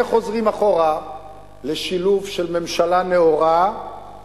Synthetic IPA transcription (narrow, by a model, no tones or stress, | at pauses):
χo̞zʁimaχo̞ʁa | leʃiluvʃelme̞mʃalaneoʁa